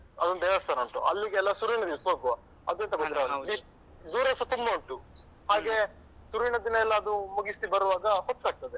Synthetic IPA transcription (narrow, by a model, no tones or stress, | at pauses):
ɐd̪unːd̪ɛːʋɐst̪ʰaːnɐɳʈṵʔɐlːiɡeɛlːɐsuɾujɳɐd̪iʋɐsoːɡuʋɐ | ɐd̪ent̪ɐɡoiɾali | d̪uːɾɐsɐt̪umbɐuɳʈu | haːɡe̞ | suɾjɳɐd̪inɐɛlːɐːd̪umuɡisibɐɾuʋaːɡɐhɔt̪ːaːɡ̚t̪ɐd̪e